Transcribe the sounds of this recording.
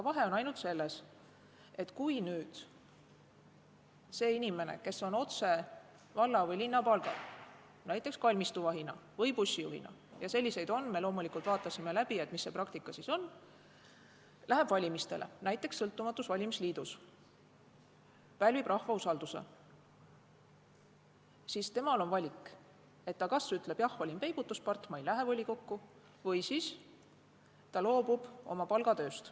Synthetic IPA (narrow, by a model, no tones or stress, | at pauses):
ɑkɑvɑɦe̞o̞nɑjnult̪se̞lːe̞s | e̞t̪kujnyːd̪̥ | se̞ːinime̞nḛke̞so̞no̞t̪se̞ | vɑlːɑvɤjlinːɑpɑlɡ̥ɑ̰ | næjt̪ːˑe̞kskɑlʲmist̪uvɑɦinɑ | vɤjpusʲːijṵɦhḭnɑ̰jɑse̞lːise̞jd̪o̞nme̞lo̞ːmulikˑult̪vɑːt̪ːˑɑsime̞læb̥ie̞t̪misːe̞prɑkt̪ikːˑɑsiso̞n | lʔæɦe̞b̥vɑlʲimist̪e̞̰lʔḛnæjt̪ːˑe̞ksːɤlt̪ːˑumɑt̪ːˑusvɑlʲimisliːd̪̥us | pælʲvib̥rɑhvɑusɑld̪usḛ | siːst̪e̞mɑlo̞nvɑlʲikːˑ | e̞t̪ːɑkɑsyt̪ːˑle̞b̥jɑhvɑlʲimpe̞jb̥ut̪ːˑuspɑrt̪ːmɑejlæɦe̞volʲiko̞kːu | vɤjsis | t̪ɑlo̞ːb̥ub̥o̞̰mɑpɑlɡ̥ɑt̪ø̞ːst̪